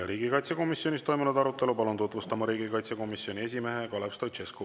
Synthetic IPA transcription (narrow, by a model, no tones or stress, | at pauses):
ɾiːɡikɑjt̪seko̞misjo̞nʲist̪o̞jmunud̪ɑɾut̪ːˑe̞lupɑlunt̪ut̪vust̪ɑmɑɾiːɡikɑjt̪seko̞misjo̞nʲie̞s̬ʲime̞ɦekɑlepst̪ot͡ʃesku